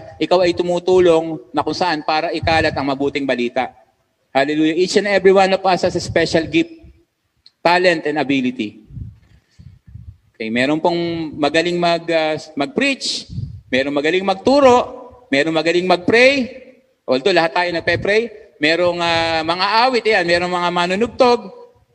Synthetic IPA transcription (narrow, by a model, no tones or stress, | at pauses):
ʔɪkawɐjt̪ʊmuːt̪uːlo̞ŋnɐkʊŋsɐʔanpaːɾɐʔɪkaːlɐt̪ɐŋmɐbuːt̪ɪŋbɐliːt̪ɐʔ | halɛluːjɐʔit͡ʃɐnɛbɾiwanopasɐsɐspɛʃɐlɡip̚ | t̪ːaːlɛnt̪ɛnɐbilɪt̪i | okɛjmɛːɾonpoŋmɐɡɐlɪŋmɐɡɐmɐɡ̚pɾit͡ʃmɛːɾoŋmɐɡɐlɪŋmɐɡ̚t̪uːɾo̞ʔmɛːɾoŋmɐɡɐlɪŋmɐɡ̚pɾɛj | ʔold̪olɐhat̪ːaːjonɐɡ̚pɛpɾɛjmɛːɾoŋɐmɐŋaʔaːwɪt̪ɪjanmɛːɾoŋmɐŋamaːnʊnʊɡ̚t̪oɡ̚